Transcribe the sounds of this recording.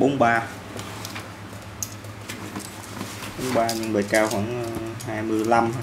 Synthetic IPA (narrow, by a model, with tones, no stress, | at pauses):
ɓo˨˦nɓaː˧ | ɓo˨˦nɓaː˧ɲɨ̰˧˨ŋɓə̰˨˩jkaː˧˩wxwaː˧˩ŋhaː˧jmɨ˧˩əjla˧m˧